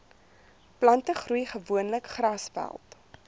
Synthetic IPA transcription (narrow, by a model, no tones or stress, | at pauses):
plɐntəχrujχəvuənləkχrɐsfæ̰lˠt